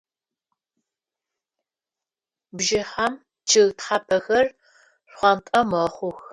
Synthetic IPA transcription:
bʒɪħam | t͡ʃʰɨɣtħapʰɐxɐr | ɕʷχʷɑntʼɐmɐχʷʊx

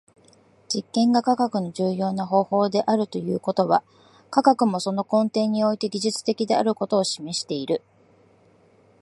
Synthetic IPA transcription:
d͡ʑikːẽ̞ŋɡakakakɯ̟noʑɨːjo̞ːnaɦo̞ːho̞ːd̪e̞ʔaɾɯ̟t̪o̞jɯːko̞t̪o̞βa | kakakɯ̟mo̞so̞no̞kõ̞nt̪e̞ːɲ̟ːio̞it̪e̞ɡʲiʑɨt͡sɨ̥t̪e̞kʲid̪e̞aɾɯ̟ko̞t̪o̞ːɕime̞ɕi̥t̪e̞iɾɯ̟

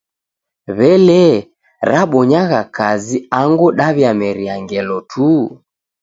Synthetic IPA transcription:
βɛlɛ | ɾaɓɔɲaɣakaziaŋɡuɗaβjamɛɾiaŋɡɛlɔtʰu

